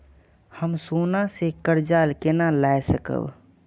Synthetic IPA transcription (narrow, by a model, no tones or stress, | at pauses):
həmsonasekəɾd͡ʒalkenalajsəkə̰b